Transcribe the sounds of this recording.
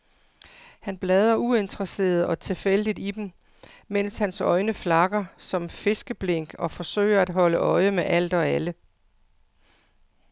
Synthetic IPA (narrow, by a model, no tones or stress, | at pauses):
hænb̥lɛːð̞ˠɐue̝nd̥ʁɐse̝̰ːɐð̞ˠɒ̽t͡sʰe̝fel̰əd̥id̥id̥em̩ | men̰shænsɒ̽ɪnəflɑ̈ɡ̥ɐsɒ̽mfe̝sɡ̥əb̥leŋ̰ɡ̥ɒ̽fɒ̽sø̰ːɪ̰ɐæd̥ɦɒ̽ləʔɒ̽ɪəmeʔæl̰d̥ɒ̽ælə